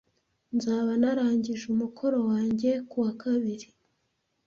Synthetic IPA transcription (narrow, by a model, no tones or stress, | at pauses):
nzaːβanaɾaːɲɟiʒumukʰo̞ɾo̞waːɲɟe̞kuwakʰaβiɾi